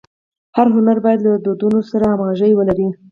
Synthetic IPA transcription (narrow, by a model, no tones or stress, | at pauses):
haɾɦʊnaɾbɑjad̪lad̪od̪unosaɾaːmaʒəjwəlaɾi